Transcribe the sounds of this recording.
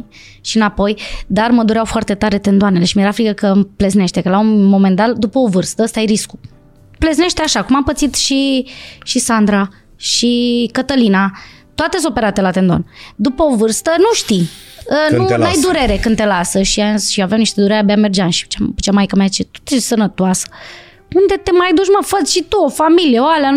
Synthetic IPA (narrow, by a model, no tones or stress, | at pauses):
ʃinapo̞jd̪arməd̪uɾeawfoart̪e̞t̪aɾe̞t̪e̞nd̪oane̞le̞ʃimeɾaflikəkəmplezne̞ʃt̪e̞kəlaunmo̞mend̪at̪d̪upəovɨrst̪əəst̪aajɾisku̥ | plezne̞ʃt̪eaʃakumampət̪sit̪ʃiʃisand̪ɾa | ʃikət̪əlina | t̪oat̪esopeɾat̪elat̪e̞nd̪ond̪upəovɨrst̪ənuʃt̪iənunajd̪uɾe̞ɾe̞kɨnt̪e̞lasəʃiaʃiaveawniʃt̪e̞d̪uɾeɾeabeamerd͡ʒanʃi̥t͡ʃamut͡ʃamajkəmajat͡ʃet̪o̥t̪esənət̪oasə̥ | und̪e̞t̪e̞majd̪uʃməfət͡ʃʲʃit̪uofamilijeoalea